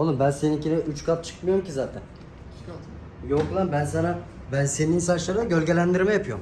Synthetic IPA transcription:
onɨbɛnsenɪkʲʰinɪyt͡ʃkʰɑp̪̚t͡ʃʰɨ̥qmɑjomkʲʰizaːt̪ʰɛn | joqlˠɑnbɛnsɛnɑ | bɛnseniŋsɑʃlˠɯɾd̪aɡʲølɡʲɛlænd̪iɾmɛjpʰjom

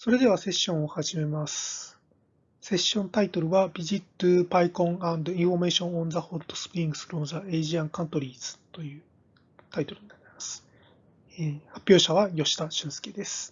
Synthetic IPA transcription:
so̞ɾe̞d̪e̞βase̞ɕːõɰ̃o̞haʑime̞masɨ̥ | se̞ɕːõ̞nt̪ait̪o̞ɾɯ̟βabʲiʑit̪ːɨpaikõ̞ŋãnd̪oĩɸo̞me̞ːɕõɰ̃õnzahot̪ːo̥sɨ̥pɯɾʲĩŋɡɯ̟sɨɾo̞ːnzae̞ʑiãŋkãnt̪o̞ɾʲiːzɨ̥t̪o̞jɯ̟ː | t̪ait̪o̞ɾɯ̟ɲinat̪ːaemasɨ̥ | eːhapʲːjo̞ːɕaβajo̞ɕi̥t̪aɕɨ̃ɰ̃sɨ̥ked̪e̞sɨ̥

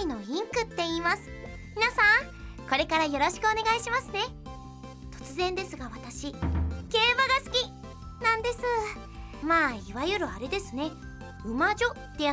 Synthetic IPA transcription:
ino̞ĩŋkɯ̟t̪ːe̞iːmasɨ̥ | mʲinasã | ko̞ɾe̞kaɾajo̞ɾo̞ɕi̥kɯ̟o̞ne̞ɡaiɕimasɨne̞ | t̪o̞̥t͡sɨzẽ̞nd̪e̞sɨɡaβat̪aɕiɡ̥e̞ːbaɡasɨ̥kʲi | nãnd̪e̞sɨ | maːiβajɯ̟ɾɯ̟aɾe̞d̪e̞sɨne̞ | ɯ̟maʑo̞t̪ːe̞ja

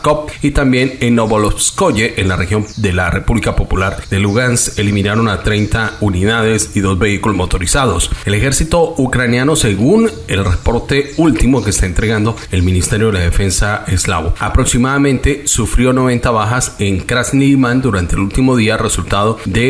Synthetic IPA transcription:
kop̚it̪ambje̞nenːoβolofskoʝeʔenlarʔe̞xjo̞md̪e̞lare̞puβlikapo̞pulaɾd̪e̞luɣanselimĩnaɾo̞nat̪ɾe̞jnt̪auniðaðe̞siðo̞zbe̞ikulozmot̪o̞ɾisaðo̞se̞le̞xe̞ɾsit̪o̞ukɾanjano̞se̞ɣun | e̞lrepo̞ɾt̪e̞ult̪imo̞ke̞st̪aent̪ɾe̞ɣand̪o̞e̞lmĩnist̪e̞ɾjo̞ðelaðefe̞nsae̞sla̰βo̞̰apɾo̞ksimaðamẽ̞nt̪e̞sufɾjo̞no̞βe̞nt̪aβaxaseŋkɾasnilmand̪uɾant̪elult̪imo̞ðiare̞sult̪að̞o̞ðe̞

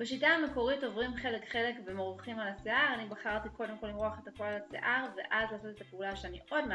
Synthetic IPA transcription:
beʃitaːme̞ko̞ʁito̞vʁimχe̞lekχe̞le̞kbemoʁuχimalaseʔaʁanibaχaʁt̪iko̞de̞mko̞limʁuaχetakolasḛʔaʁvḛʔazlaːso̞t̪e̞t̪apeulaʃeaniʔo̞dma

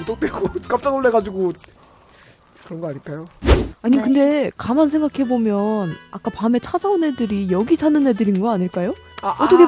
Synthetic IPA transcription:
mut͈ok̚t͈weɡok͈ap̚t͡ɕ͈aŋɯɭːe̞ɡad͡ʑiɡo | kɯɾʌnɡʌaɲiɭk͈ajoaɲimkɯnde̞kamans̬ʰe̞ŋɡakʰe̞bomjʌnak͈apame̞t͡ɕʰad͡ʑaunɦe̞dɯɾijʌɡisʰanɯnɦe̞dɯɾinɡʌaɲiɭk͈ajo | ʌt͈ʰʌkʰe

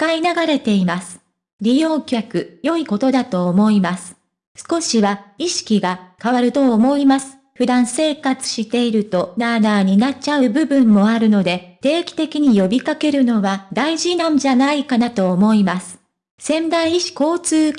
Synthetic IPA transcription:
kainaɡaɾe̞t̪e̞imasɨ̥ | ɾʲijo̞ːkʲokɯ̟jo̞iko̞t̪o̞d̪at̪o̞ːmo̞imasɨ̥ | sɨ̥ko̞ɕiβaiɕi̥kʲiɡakaβaɾɯ̟t̪o̞ːmo̞imasɨ̥ | ɸɯ̟d̪ãɰ̃se̞ːkat͡sɨ̥ɕit̪e̞iɾɯ̟t̪o̞nanaːɲ̟inat͡ɕaɯ̟bɯ̟bɯ̟̃mːo̞aɾɯ̟no̞d̪e̞t̪e̞ːkʲi̥t̪e̞kʲiɲ̟ijo̞bʲikake̞ɾɯ̟no̞βad̪aiʑinãɲ̟d͡ʑanaikanat̪o̞ːmo̞imasɨ̥ | sẽ̞mbãiiɕi̥ko̞ːt͡sɨː

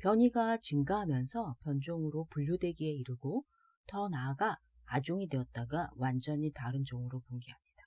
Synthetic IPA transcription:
pjʌɲiɡat͡ɕɯŋɡaɦamjʌnsʰʌpjʌnd͡ʑoŋɯɾopuʎːudwe̞ɡie̞iɾɯɡo | tʌnaɡaː | d͡ʑoŋidwe̞ʌt̚t͈aɡawand͡ʑʌɲitaɾɯnd͡ʑʌŋɯɾopoŋɡiɦamɲid̥a

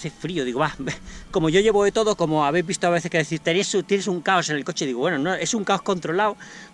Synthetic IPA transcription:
θefɾioðiɣoβako̞mo̞ʝo̞ʝe̞βoðet̪o̞ðoko̞moaβejzβist̪oaβe̞θekeðeθiɾt̪enesut̪jenesuŋkao̞se̞ne̞lko̞t͡ʃeðiɣoβwenono̞ʔe̞suŋkaohko̞nt̪ɾo̞laow

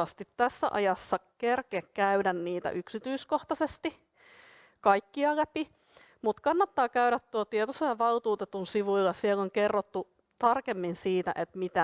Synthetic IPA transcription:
ɑst̪it̪tæsːæ̰ʔɑ̰jɑsːɑkerkeːkkæydænniːt̪æ̰ʔyksit̪yiskoht̪ɑsest̪i | kɑikːiɑlæpi | mut̪kɑnːɑt̪ːɑːkæyɾæt̪t̪uot̪iet̪oselːɑʋɑlt̪uːt̪et̪unsiʋuilːɑsieloŋkerːot̪ːu | t̪ɑrkemːinsiːt̪æ̰ʔet̪mit̪æ

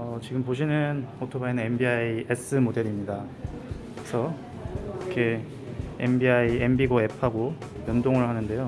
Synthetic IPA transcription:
ʌt͡ɕiɡɯmpoɕ̬ʰinɯnotʰobaenɯne̞mbiaies͈ʰɯmode̞ɾimɲida | kɯesʰʌ | kʰe̞ | embiaiembiɡoe̞pʰaɡo | jʌndoŋɯɭhanɯnde̞jo

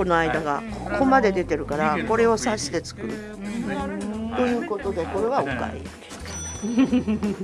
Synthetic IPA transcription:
onoaid̪aɡakoko̞mad̪e̞d̪e̞t̪e̞ɾɯ̟kaɾako̞ɾe̞o̞saɕi̥t̪e̞t͡sɨ̥kɯ̟ɾɯ̟̰ | t̪o̞jɯ̟ːko̞t̪o̞d̪e̞ko̞ɾe̞βaoka̰ḭ

